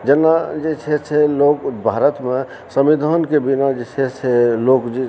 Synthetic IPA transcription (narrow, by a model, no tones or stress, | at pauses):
d͡ʒənːad͡ʒet͡ʃʰɛt͡ʃʰeloːkbʱaːɾət̪me | səmid̪ʱənkebinad͡ʒet͡ʃʰɛt͡ʃʰɛloːkd͡ʒe